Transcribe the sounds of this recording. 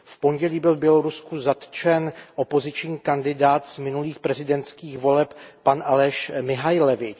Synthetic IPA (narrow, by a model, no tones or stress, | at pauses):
fpo̞ɲɟɛliːbɪlbjɛlo̞ɾuskuzat̪t͡ʃɛnʔo̞po̞zɪt͡ʃɲiːkandɪdaːt̪z̥mɪnuliːxpɾɛzɪdɛnt̪t͡skiːxvo̞lɛppanʔalɛʃmɪɦajlɛvɪ